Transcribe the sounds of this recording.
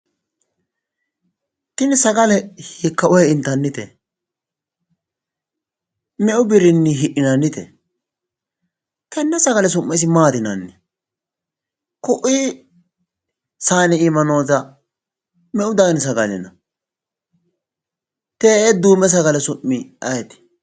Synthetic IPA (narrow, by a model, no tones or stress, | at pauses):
t̪ɪnsɐɡɐlɛhɪkːɐʔɔjɛɪnt̪ːɐnːɪt̪ɛ̰ | mɛʔʊbɪɾɪnːɪɦɪʔɪnɐnːɪt̪ɛ̰ | t̪ɛnːɛsɐɡɐlɛs̬ʊmːɛs̬ɪmaːd̪ɪnɐnːɪ | kʊʔi | saːnɛɪmɐno̞ːzɐ | mɛʔʊd̪ɐɡns̬ɐɡɐlɪ̰nɐ | t̪ɛɛd̪uːmːɛs̬ɐɡɐlɛsʊmːɪɐjɛt̪ɪ̥